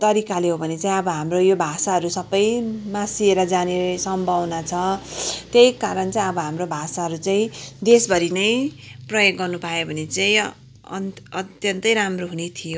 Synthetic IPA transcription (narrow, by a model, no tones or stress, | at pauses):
t̪ʌɾikaleɦobʱʌnet͡saĩʌbʌɦamrojobʱasaɦʌɾusʌbʌjmasieɾʌd͡zanesʌmbʱʌwnat͡sʰʌt̪jejkaɾʌnt͡sãĩʌbʌɦamrobʱasaɦʌɾut͡saĩd̪esbʱʌɾinʌj | prʌjoɡːʌrnupajobʱʌnet͡saĩ | ʌtt̪jʌnt̪ʌjɾamroɦunet̪ʰijo